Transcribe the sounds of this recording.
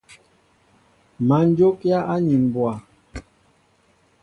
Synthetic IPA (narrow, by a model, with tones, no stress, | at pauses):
ma˨˦n˦d͡ʒo˦kja˦ʔa˦ɲi˨m˨bwa˨